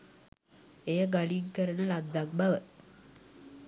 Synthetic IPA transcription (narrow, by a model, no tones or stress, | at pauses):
ejəɡaliŋkəɾənəladd̪ːak̚baʋə